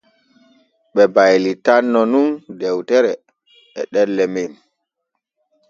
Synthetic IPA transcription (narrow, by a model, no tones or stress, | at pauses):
ɓɛbajlitanːɔnundɛwtɛɾɛ | ɛɗɛlːɛmin